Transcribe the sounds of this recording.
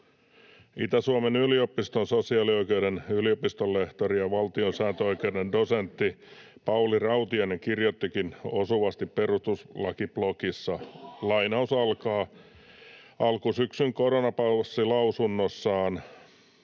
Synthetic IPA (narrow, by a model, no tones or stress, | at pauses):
it̪æsuomenyliopist̪onsosiɑːlioikeuɾenyliopist̪olːeht̪orijɑʋɑlt̪ionsæːnt̪øoikeudendosent̪ːipɑulirɑut̪iɑneŋkirjot̪ːikinosuʋɑst̪ipperust̪uslɑkiblokisːɑlɑinɑusɑlkɑː | ʔɑlkusyksyŋkoɾonɑpɑsːilɑusunːosːɑːn